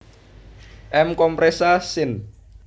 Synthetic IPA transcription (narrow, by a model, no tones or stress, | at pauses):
ʔɛmkɔmpɾesasɪn